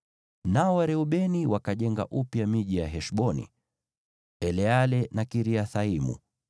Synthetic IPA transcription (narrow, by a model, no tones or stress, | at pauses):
naɔwaɾɛuɓɛniwakaʄɛŋɡa̰ʔupjamiʄijaɦɛʃɓɔnḭ | ɛlɛalɛnakiɾiaθaimṵ